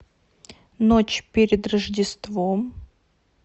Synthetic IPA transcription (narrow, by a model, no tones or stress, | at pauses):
not͡ɕpʲeɾʲɪd̪rəʐdʲɪst̪vom